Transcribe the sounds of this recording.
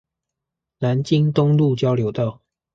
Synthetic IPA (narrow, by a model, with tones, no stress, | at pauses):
na˨˦nt͡ɕi˦ŋt̪ʊ˦ŋlu˥˨t͡ɕjɑ˥˦ʊljo˨˦ʊt̪ɑ˥˨ʊ